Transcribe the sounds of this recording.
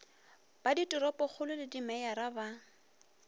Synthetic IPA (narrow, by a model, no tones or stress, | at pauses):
b̥aditʼʊɾɔpʼɔk͡xʰʊlʊlɪdimɛaɾaba